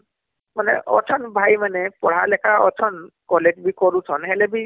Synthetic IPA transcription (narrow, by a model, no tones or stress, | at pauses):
manɛ̰ʔɔ̰tʰɔnbʱajmanɛpɔɽ̤alɛkʰaɔ̰tʰɔn | kɔletbikɔɾutʰɔnɦɛlɛbi